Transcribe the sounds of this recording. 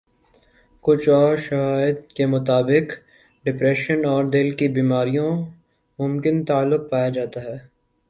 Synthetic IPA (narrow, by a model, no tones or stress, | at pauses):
kʊt͡ʃʰɔːɾʃɐɦaːjəd̪̚kemʊt̪aːbɪq | ɖɪpɾɛːʃənɔːɾd̪ɪlkibiːmaːɾijõ | mʊmkɪnt̪aːlːʊq̚paːjad͡ʒaːt̪aɦɛː